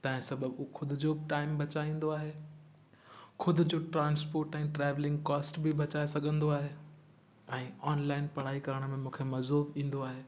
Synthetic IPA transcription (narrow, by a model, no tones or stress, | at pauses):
t̪ɐ̃ɦɪ̃sɐbəbʊkʰʊd̪ʱʊ̆d͡ʑoʈaːɪmbɐt͡ɕaĩːn̆d̪oaːɦeː | kʰʊd̪ʱʊ̆d͡ʑoʈɾãːnspoːɾʈɛ̃ːʈɾɛːʋlɪ̃ŋɡkɔːsʈbɪbʱɐt͡ɕaːesɐɡʱə̃nd̪oaːɦe | ɛ̃ːɔːnlaːɪnpɐɽ̤aːikɐɾəɽ̃̆mẽmũːkʰemɐzuːbĩːn̆d̪oaːɦeː